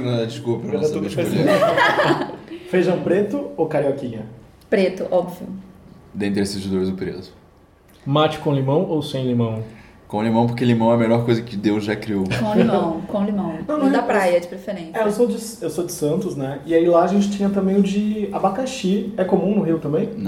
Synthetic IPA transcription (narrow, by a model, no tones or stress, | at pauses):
nɐ̃d̪ad͡ʒɪskuɐpɾɐnɐ̃st̪uʃkei | fejʒɐ̃w̃pɾet̪ʊowkaɾiɔkĩɲɐ | pɾet̪ʊʔɔbviʊd̪ẽnt̪ɾesɪzʒd̪oɾzʊpɾḛzʊ̥ | mat͡ʃɪ̥kõlimɐ̃w̃owsẽj̃limɐ̃w̃ | kõlimɐ̃w̃p̬oɾkelimɐ̃w̃ɛɐmelɔɾkojzɐkɪd̪ewzʒakɾiowkõlimɐ̃w̃kõlimɐ̃w̃nnɐ̃w̃ñd̪apɾajɐd͡ʒɪpɾefeɾẽsɛewsowd͡ʒɪsewsod͡ʒɪsɐ̃nt̪ʊznɛɪailaɐʒẽnt͡ʃɪ̥t͡ʃĩɲɐt̪ɐ̃mbẽj̃ʊd͡ʒɪabakaʃiɛkomũnʊɦiwt̪ɐ̃mbẽj̃ñ